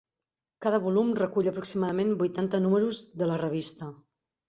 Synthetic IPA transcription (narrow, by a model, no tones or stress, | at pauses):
kaðəβulumrəkuʎəpɾuksimaðəmenbujt̪ant̪ənuməɾuzðələrəβ̞ist̪ə